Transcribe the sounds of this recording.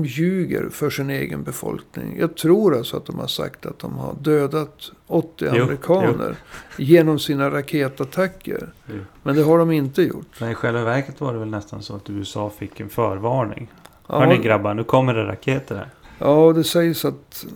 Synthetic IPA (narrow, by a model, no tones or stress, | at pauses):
mjʉ̟ːɡə̰ɾfœʂɪneːɡə̰nbɛfɔ̰lknɪ̰ŋjɑ̰ːɡ̚t̪ʰɾuːɾalsɔat̪̚d̪ɔmha̰ʂa̰kt̪at̪̚d̪ɔmha̰ɖøːd̪at̪ | ɔt̪ːɪaɾɪkʰɑːnə̰ɾjeːnɔmsiːnaɾakʰeːt̪at̪ʰakʰːə̰ɾmɛnd̪ɛɦaɖɔmɪnt̪əjʊ̰ʈːmɛnɪɧɛlvavæɾkət̪vaɖɛvɛlnɛst̪ansɔat̪ʉːɛsɑːfɪkːɛnfœːɾvɑːɳɪ̰ŋ | ʔɑhœnɪɡɾabːanʉ̟ːkʰɔmːəɖɛɾa̰kʰeːt̪əɾhæ̰ɾjɑːd̪ɛsɛjsat̪